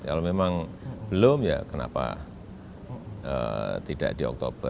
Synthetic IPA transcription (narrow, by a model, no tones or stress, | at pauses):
kalomemaŋb̥əlomjakəna̰pa̰ | ə̰t̪id̥a̰ʔd̥iɔ̰k̚t̪ob̥ə